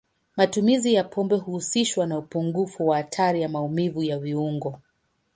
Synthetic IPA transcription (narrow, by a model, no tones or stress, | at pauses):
matumizijapʰɔmbɛhuhusiʃwanaupuŋɡufuwaːtʰaɾijamaumivujaviuŋɡɔ